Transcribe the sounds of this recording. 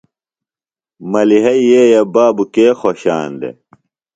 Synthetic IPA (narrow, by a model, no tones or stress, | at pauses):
mɐliɦɐijeːjɐbaːbukeːxoɕa̰ːnd̪ḛ